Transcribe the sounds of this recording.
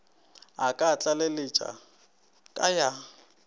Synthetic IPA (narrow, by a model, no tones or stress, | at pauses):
akʼat͡ɬʼalelɪt͡ʃʼa̰ | kʼaja